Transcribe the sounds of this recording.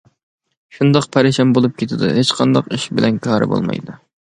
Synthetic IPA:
ʃund̪ɑqpʰɛɾɪʃɛmbolˠup̚kʲʰet̪ʰɪd̪ɨ̰ɦet͡ʃqʰɑnd̪ɑqiʃbɪlʔɛnkʰɑːɾɨ̰bo̰lˠmɑ̰jd̪u

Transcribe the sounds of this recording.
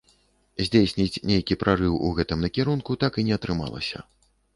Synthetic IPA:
zʲd͡zʲejsʲnʲit͡sʲnʲejkʲipɾʔarɨwuɣɛt̪ɨmnɐkʲɛɾunkut̪akinʲɛɐt̪ɾɨma̰lˠɐ̰sʲɐ̰

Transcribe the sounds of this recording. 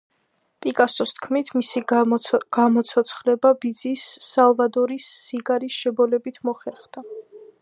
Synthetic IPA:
pʼikʼasɔst̪ʰkʰmit̪ʰmisiɡ̥amɔt̪sʰɔt̪sʰχlɛbabid̪zisːalˠvad̪ɔɾisːiɡaɾisʃɛbɔlɛbit̪ʰmɔχɛɾχd̪̥a

